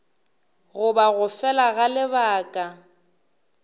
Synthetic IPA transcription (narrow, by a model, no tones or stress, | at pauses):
ɣʊbaɣʊfɛlaɣalɪbaːkʼa